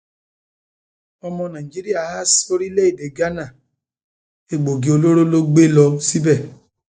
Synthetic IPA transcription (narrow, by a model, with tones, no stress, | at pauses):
ɔ˧mɔ̃˧nã˨i˨d͡ʒi˦ɾi˦a˦˨ha˦so˧ɾi˦le˦i˦˨de˨ɡa˦na˦˨ | e˨ɡ͡bo˨ɡi˨˦o˧lo˦ɾo˦lo˦ɡ͡be˦lɔ˧si˦bɛ˦˨